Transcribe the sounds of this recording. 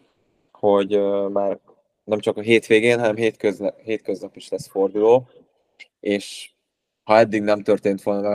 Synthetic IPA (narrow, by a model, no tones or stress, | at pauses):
ho̞ɟømaːr | nɛmt͡ʃɒkɒɦeːt̪ʋeːɡeːnɦɒnɛmɦeːt̪køzɦeːt̪køznɒpiʃlɛsfo̞rd̪uloː | eːʃ | hɒɛd̪ːiɡnɛmt̪ørt̪eːnt̪ʋo̞lnɒmɛ